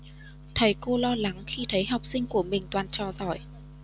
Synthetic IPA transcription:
t̪ʰə˨˦jko˧lɔ˧la˨˦ŋxi˧t̪ʰə˨˦jɦa˨˩wk͡p̚sï˧ŋ̟ku˧˩əmï˨˩ŋ̟t̪waː˨˩nt͡ɕɔ˨˩zɔ̰˧˩˨j

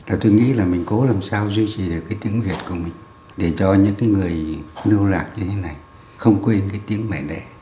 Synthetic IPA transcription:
laː˨˩t̪o˧jŋḭ˧˥laː˨˩mï˨˩ŋ̟ko˨˦laː˨˩msaː˧wzwi˧t͡ɕi˨˩ɗɨ˨˩əkːaː˨˦jt̪i˨˦əŋvi˨˩ət̚ku˧˩əmï˨˩ŋ̟ | ɗe˧˩t͡ɕɔ˧ɲɨ̰˧˥ŋkaː˨˦jŋɨ˨˩əjnɨ˧wlaː˨˩k̚ɲɨ˧t̪ʰe˨˦na˨˩j | xə˧wŋ͡mkwe˧nkaː˨˦jt̪i˨˦əŋmɛ˧˩ɗɛ̰˧˩˨

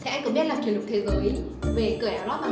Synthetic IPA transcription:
t̪ʰɛ˧jkʊ̰˧˥ŋ͡mɓi˦˥t̚laː˨˩t͡ɕi˨˧˩lʊ˨˩k̚t̪ʰi˧˨wɣəː˨˦j | ve˨˩kɨː˨˧˩ʔaː˨˩wɗɔː˨˦maː˨˩

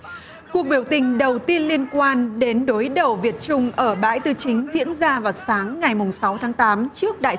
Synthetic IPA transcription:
ku˨˩ək̚ɓi˧˩əwt̪ï˨˩ŋ̟ɗə˨˩wt̪i˧ənli˧ənkwaː˧nɗe˨˦nɗo˨˦jɗə˨˩wvi˨˩ət̚t͡ɕʊ˧ŋ͡mʔəː˧˩ɓa̰ː˧˥jt̪ɨ˧˩t͡ɕï˨˦ŋ̟zḭ˧˥ənzaː˧vaː˨˩wsaː˨˦ŋːa˨˩jmʊ˨˩ŋ͡msa˨˦wt̪ʰaː˨˦ŋt̪aː˨˦mt͡ɕɨ˦˥ək̚ɗa̰ː˧˨

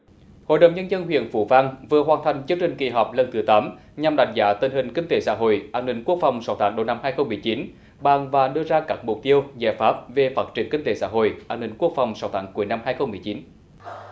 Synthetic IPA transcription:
ho̰˧˨jɗə̰˨wŋ͡mɲə˧nzə˧nɦwḭ˧˨ənfṵ˧˦va˧ŋvɨ˨˩əɦwaː˨˩nt̪ʰa˨˩jŋ̟t͡ɕɨ˧˥əŋt͡ɕï˨˩ŋ̟kḭ˨˩ɦɔ˨˩k͡p̚lə˧˩nt̪ɨ˨˦t̪aː˨˦m | ɲa˨˩mɗa̰˧˩jŋ̟za̰ː˧˥t̪i˧˩nhï˨˩ŋ̟kï˧ŋ̟t̪e˨˦sa̰ː˧˥ɦo̰˧˨jʔaː˧nï˧˩ŋ̟ku˦˥ək̚fa˨˩wŋ͡msa˨˦wt̪ʰaː˨˦ŋɗo˧˩na˧mhaː˧jxə˧wmːɨ˨˩əjt͡ɕi˨˦n | ɓaː˨˩ŋvaː˨˩ɗɨ˧əzaː˧kaː˦˥k̚mʊ˨˩k͡p̚t̪i˧əwza̰ː˧˩faː˦˥p̚ve˨˩faː˦˥t̚t͡ɕi˧˩əŋkï˧ŋ̟t̪e˨˦sa̰ː˧˥ɦo̰˧˨jʔaː˧nːï˧˩ŋ̟ku˦˥ək̚fa˨˩wŋ͡msa˨˦wt̪ʰaː˨˦ŋku˧˩əjna˧mhaː˧jxə˧wŋ͡mmːɨ˨˩əjt͡ɕi˨˦n

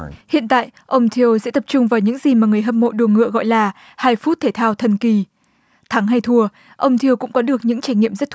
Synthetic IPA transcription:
hḭ˧˨ənt̪a̰ː˧˨jʔə˧wŋ͡mt̪ʰi˧əwzɛ̰˧˥t̪ə˨˩p̚t͡ɕʊ˧ŋ͡mvaː˨˩wɲɨ̰˧˥ŋzi˨˩maː˨˩ŋɨ˨˩əjɦə˧m̚ːo̰˧˨ɗu˨˧˩ŋɨ̰˧˨əɣɔ̰˧˨jlaː˨˩ | haː˧jfu˦˥t̚t̪ʰe˧˩t̪ʰaː˧wt̪ʰə˨˩nki˨˩ | t̪ʰa˨˦ŋɦa˧jt̪ʰu˧ə | ʔə˧wŋ͡mt̪ʰi˧əwkʊ̰˧˥ŋ͡mkɔ˨˦ɗɨ˨˩ək̚ɲɨ̰˧˥ŋt͡ɕa˧˩jŋ̟ŋḭ˧˨əmzə˦˥t̚t̪

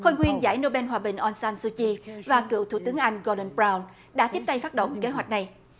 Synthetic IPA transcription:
xo˧jŋwi˧ənza̰ː˧˩jno˧ɓɛ˧nɦwaː˨˩ɓï˨˩ŋ̟ʔɔ˧nsaː˧nsu˧t͡ɕi˧vaː˨˩kɨ̰˧˨wt̪ʰṵ˧˩t̪ɨ˨˦əŋʔa˧jŋ̟ɣo˧lə˧nɓɹaː˧wn | ɗa̰ː˧˥t̪i˦˥p̚t̪a˧jfaː˦˥t̚ɗə̰˧˨wŋ͡mke˨˦ɦwa˨˩jk̟̚na˨˩j

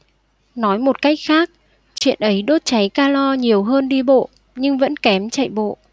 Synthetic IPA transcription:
nɔ˨˦jmo˨˩t̚ka˦˥jk̚xaː˦˥k̚ | t͡ɕwḭ˧˨ənʔə˨˦jɗo˦˥t̚t͡ɕa˨˦jkaː˧lɔ˧ɲi˨˩əwɦəː˧nɗi˧ɓo̰˧˨ | ɲɨ˧ŋvə̰˧˥nkɛ˨˦mt͡ɕə̰˧˨jɓo̰˧˨ʔ

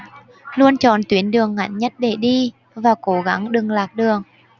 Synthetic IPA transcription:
lu˧ənt͡ɕɔ˨˩nt̪wi˨˦ənɗɨ˨˩əŋːa̰˧˩jŋɲə˦˥t̚ɗe˧˩ɗi˧ | vaː˨˩ko˨˦ɣa˨˦ŋɗɨ˨˩ŋlaː˨˩k̚ɗɨ˨˩əŋ

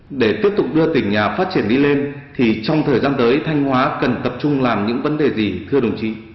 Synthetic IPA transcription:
ɗe˧˩t̪i˦˥əp̚t̪ʊ˨˩k͡p̚ɗɨ˧ət̪ï˧˩ŋ̟ɲaː˨˩faː˦˥t̚t͡ɕi˧˩ənɗi˧le˧nt̪ʰi˨˩t͡ɕɔ˧wŋ͡mt̪ʰəː˨˩jzaː˧nt̪əː˨˦jt̪ʰa˧jŋ̟hwaː˨˦kə˨˩nt̪ə˨˩p̚t͡ɕʊ˧ŋ͡mlaː˨˩mɲɨ̰˧˥ŋvə˨˦nɗe˨˩zi˨˩t̪ʰɨ˧əɗə˨˩wŋ͡mt͡ɕḭ˧˥

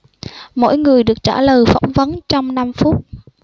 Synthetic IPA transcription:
mo̰˧˥jŋɨ˨˩əjɗɨ˨˩ək̚t͡ɕa̰ː˧˩ləː˨˩jfa̰˧˩wŋ͡mvə˨˦nt͡ɕɔ˧wŋ͡mna˧mfu˦˥t̚

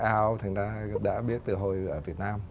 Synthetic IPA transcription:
ʔaː˧wt̪ʰa˨˩ŋ̟zaː˧ɗa̰ː˧˥ɓi˦˥ət̚t̪ɨ˨˩ɦo˧˩jʔəː˧˩vi˨˩ət̚naː˧m

